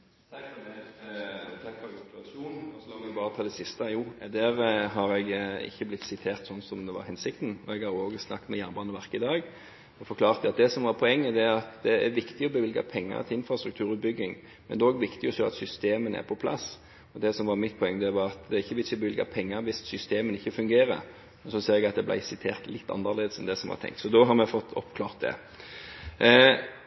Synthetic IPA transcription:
t̪ʰɑkfɔt̪ɑsuːnɔsɔɑʋɪɡbɑːɾət̪ʰɑːd̪ɛsɪst̪ɑjuːd̪æɾɦɑɾɛɡɪ̰çːəblɪt̪ːsɪt̪ʰeːʁt̪sɔnːsɔmd̪ɛʋɑ̰ɾhɛnsɪk̚t̪n̩ɔɛɡhɑɾoːɡəsnɑ̰kːt̪mɛjæːnbɑːnəʋæɾkəɪd̪ɑːɡ | ɔfɔɾkʰlɑːʁt̪ɑt̪̚d̪ɛsɔmʋɑɾpʰɔɛŋːəd̪ɛɑt̪d̪ɛæɾʋɪkt̪ɪɔbəʋɪlɡɑ̰pʰɛŋːə̰ɾt̪ʰɪɪnfɾɑst̪ɾʉk̚t̪ʰʉːɾʉːt̪̚bʏɡːɪŋ | mɛnd̪ɛoːɡʋɪkt̪ɪjʊçɔɑ̰t̪sʏst̪eːmənæ̰ɾpʰɔpʰlɑ̰s | ɔd̪ɛsɔmʋɑɾmɪt̪̚pʰɔɛŋːəd̪ɛʋɑɾɑt̪d̪ɛɾɪçːəʋɪçəbəʋɪlɡɑ̰pʰɛŋːəɾʋɪssʏst̪eːmənɪçːəfʉŋɡeːɾə̰ɾ | mmɛnsɔseːɾɛɡɑt̪̚d̪ɛblæ̰ɪsɪt̪ʰḛːʁt̪lɪt̪ːɑ̰nːəɾleːd̪əsɛnd̪ɛsɔmʋɑ̰ɾt̪ʰɛ̰ŋk̚t̪sɔd̪oɦɑɾmɛfɔt̪ʰːɔ̰pkʰlɑːʁt̪̚d̪ɛ̰

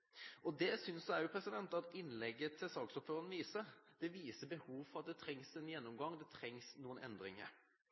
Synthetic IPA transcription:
ʔɔd̪ɛsʏnsæʉpʰɾɛsɪd̪ɛnt̪ɑt̪ɪnlɛɡːət̪ʰɪlsɑːksɔpføːɾən̩ʋiːsəɾd̪̥ɛʋiːsəbɛhuːʋfɔʁɑt̪̚d̪ɛt̪ʰɾɛŋsɛnjɛnːɔmɡɑŋːd̪ɛt̪ʰɾɛŋsnuːənɛ̰nd̪ɾɪŋə̰ɾ

